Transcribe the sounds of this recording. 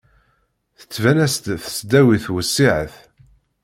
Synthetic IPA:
θə̥t͡sːvænæst̪θə̥sd̪æwiθwəsːiʕəθ

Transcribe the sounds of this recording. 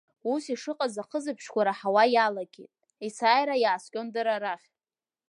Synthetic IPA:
usiʂɨqʼazaqʰəzɨpʰʃkʷaɾaħawajalaɡʲḛtʼ | isaːjɾajaːskʲʼondɨɾaɾaχʲ

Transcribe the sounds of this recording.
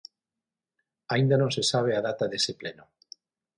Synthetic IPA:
aĩnd̪anõŋsesaβ̞eaðat̪aðesepleno

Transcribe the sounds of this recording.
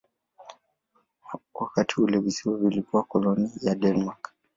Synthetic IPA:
wakatʰiulɛvisiwavilikuwakɔlɔnijadɛnmak

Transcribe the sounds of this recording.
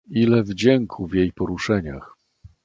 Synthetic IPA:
ilɛvd͡ʑɛŋkʰuvjejpɔɾuʂɛɲax

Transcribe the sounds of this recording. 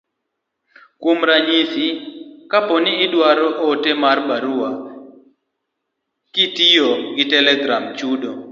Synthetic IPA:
kumɾaɲisikapɔniːdwaɾɔʔotemarbaɾuwa | kitijoɡɪtɛlɛɡɾamt͡ʃudo

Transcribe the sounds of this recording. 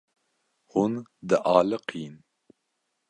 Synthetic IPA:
hund̪ɨʔɑːlɨqʰiːn

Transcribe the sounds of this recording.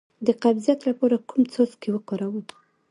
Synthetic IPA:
d̪əqabzijat̪lapɑɾakumt͡soskewəkoɾawə

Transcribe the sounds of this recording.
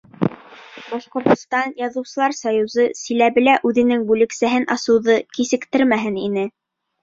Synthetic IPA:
bɑʃqŏɾt̪ŏst̪ɑnjɑðɤ̆wsɤ̆lˠɑɾsɑjuzɤsĭlæβɘ̆læʔʉðɘ̆nɘŋbʉlɘ̆ksæɦɘnɑsɤ̆wðɤkisɘ̆kt̪ɘɾmæɦɘninɘ

